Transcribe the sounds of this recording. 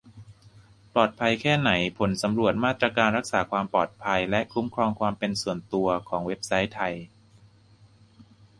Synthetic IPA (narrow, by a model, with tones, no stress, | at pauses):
plɔː˨˩t̪̚pʰa˧jkʰɛː˥˩na˩˦jpʰo˩˦nsa˩˦mɾu˨˩ət̪̚maː˥˩t̪ɾa˧kaː˧nɾa˦˥k̚saː˩˦kʰwaː˧mpɔː˨˩t̪̚pʰa˧jlɛ˦˥ʔkʰu˦˥mkʰɾɔː˧ŋkʰwaː˧mpe˧nsu˨˩ənt̪u˧ɐkʰɔː˩˦ŋwe˦˥p̚sa˦˥jt̪ʰa˧j